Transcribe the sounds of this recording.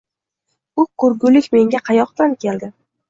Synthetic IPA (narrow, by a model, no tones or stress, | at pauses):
ʊkʰʊɾɡʊlɪkʲme̞ŋɡʲaqʰɑjɒqt̪ankʲe̞ld̪ɪ